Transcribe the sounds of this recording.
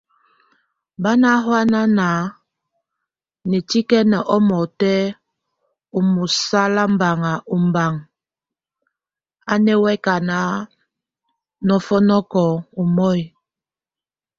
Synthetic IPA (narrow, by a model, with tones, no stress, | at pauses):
ba˦na˦ɦwa˦na˦naː˨˦ | nɛ˨ti˦kɛ˦nɛ˨ʔɔ˦mɔ˨tɛ˦ | u˨mu˨sa˦la˦m˦ba˨ŋa˨ʔu˨m˨ba˨ŋ | a˦nɛ˦wɛ˦ka˨na˨˦ | nɔ˦fɔ˦nɔ˦kɔ˨u˨mɔ˦˨j